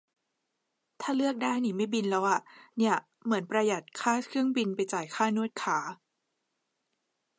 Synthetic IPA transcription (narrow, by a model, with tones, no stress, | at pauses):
t̪ʰaː˥˩lɯ˥˩ək̚daː˥˩jniː˧˩ma˥˩jbi˧nlɛ˦˥wʔa˨˩ni˥˩ə | mɯ˩˦ənpɾa˧ja˨˩t̪̚kʰaː˥˩kʰɯ˥˩əŋbi˧npa˧jt͡ɕaː˨˩jkʰaː˥˩nu˥˩ət̪̚kʰaː˩˦